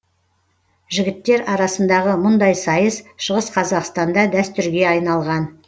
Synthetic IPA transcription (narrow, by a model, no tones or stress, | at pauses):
ʒɪɡʲɪt̪ːe̞ɾɑɾɑsənd̪ɑʁəmʊnd̪ɑjsɑjəsʃəʁəsqʰɑzɑqst̪ɑnd̪ɑd̪æst̪ʏɾɡʲe̞ɑjnɑlˠʁɑn